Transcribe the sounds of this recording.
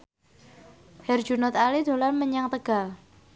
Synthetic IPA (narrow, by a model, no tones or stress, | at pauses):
hɛrd͡ʒunɔt̪alid̪o̤lanməɲaŋt̪əɡ̥al